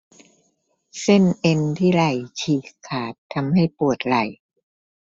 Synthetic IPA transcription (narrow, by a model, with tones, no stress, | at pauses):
se˥˩nʔe˧nt̪ʰiː˥˩ɾa˨˩jt͡ɕʰiː˨˩kʰːaː˨˩t̪ʰːa˧mha˥˩jpu˨˩ət̪̚ɾa˨˩j